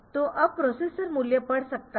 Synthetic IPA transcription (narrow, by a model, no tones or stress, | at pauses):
t̪oʔəpɾɔsesəɾmuljəpəɽsək̚t̪a